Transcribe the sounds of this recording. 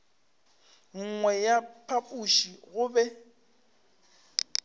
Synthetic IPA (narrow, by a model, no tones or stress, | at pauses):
ŋ̩ŋwɛjapʰapʼuʃiɣʊbɛ